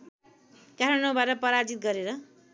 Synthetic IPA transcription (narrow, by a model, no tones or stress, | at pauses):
kaɾʌnobaɾʌpʌɾad͡zit̪̚ɡʌɾeɾʌ